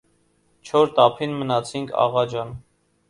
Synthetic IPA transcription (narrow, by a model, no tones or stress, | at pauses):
t͡ʃʰɔɾt̪ɑpʰinmənɑt͡sʰiŋkʰɑ̰ʁɑd͡ʒɑn